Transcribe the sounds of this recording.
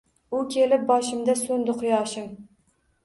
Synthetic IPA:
ʊkʲʰelɪp̚bɒʃɪmd̪asɵnd̪ɪqʰʊjɒʃɪm

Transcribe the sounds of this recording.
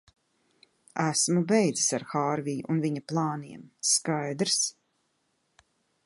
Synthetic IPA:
æsmubɛjd̪zi̥saɾxaːɾvijuʔunviɲaplˠɑːniɛmskajd̪ɾs

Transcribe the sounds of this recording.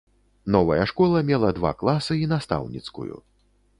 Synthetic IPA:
nɔvɐjɐʂkɔlˠɐmʲɛlˠɐd̪va̰klˠasɨinast̪a̰wnʲḭt̪skṵjṵ

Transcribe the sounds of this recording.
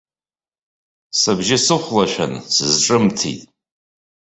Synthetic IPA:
sabʒɪsɨχʷlaʃᶣa̰nsɨzʈ͡ʂʼɨmtʰḭtʼ

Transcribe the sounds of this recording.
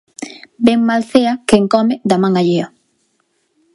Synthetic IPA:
beŋmalθeɐkeŋkɔmɪd̪amãŋaʎeo

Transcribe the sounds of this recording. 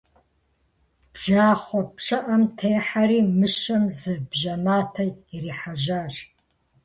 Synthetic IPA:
b̥ʒaːχʷɔpʂɐʔɐmtʰeːħaɾiːmɨʃɐmzɨbʒɐmaːtʰɐiriːħaʒaːr

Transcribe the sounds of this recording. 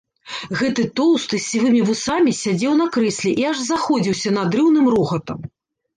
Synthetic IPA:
ɣɛt̪ɨt̪ɔwˠst̪ɨsʲːivɨmʲivusamʲisʲad͡zʲɛwn̪ɐkɾɨsʲlʲiʔiaʐzaxɔd͡zʲiwsʲɐnɐd̪ɾɨwnɨmɾɔxɐt̪ɐm

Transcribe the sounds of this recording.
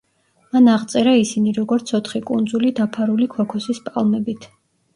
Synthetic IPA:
manaʁt̪sʼɛɾaisiniɾɔɡɔɾt̪sʰɔt̪ʰχikʼund̪zulid̪apʰaɾulikʰɔkʰɔsispʼa̰lˠmɛbit̪ʰ

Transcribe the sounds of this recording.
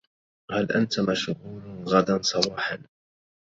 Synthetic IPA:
halʔant̪amaʃhuːnɣad̪ansˤɑwɑːħan

